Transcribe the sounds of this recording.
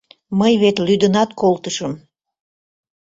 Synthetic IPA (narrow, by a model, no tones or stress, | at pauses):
məjβet̪lyd̪ənɑt̪kolt̪əʃəm